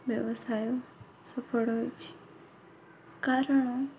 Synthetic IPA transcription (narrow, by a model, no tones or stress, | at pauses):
ʋjəʋəsaːjo | səpʰəɽot͡ʃ | kaːɾəɳ̃o